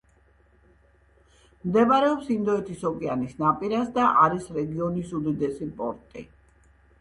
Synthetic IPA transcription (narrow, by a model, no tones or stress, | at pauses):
md̪ɛbaɾɛɔpsimd̪ɔɛt̪ʰisɔkʼianisnapʼiɾasd̪aʔaɾisɾɛɡiɔnisud̪id̪ɛsipʼɔ̰ɾt̪ʼḭ